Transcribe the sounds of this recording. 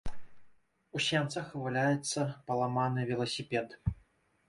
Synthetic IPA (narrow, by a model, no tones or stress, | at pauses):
usʲɛmt̪sɐxvɨlʲajɛt̪sːɐpɐlˠamanɨvʲɛlˠɐsʲipʲɛd̪